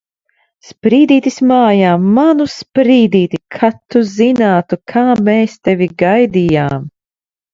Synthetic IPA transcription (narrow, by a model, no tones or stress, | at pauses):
spɾiːd̪iːt̪ismaːjaːmanuspɾiːd̪iːt̪ikʰat̪ːuzinaːt̪ukʰaːmeːst̪ɛvʲiɡajd̪ijaːm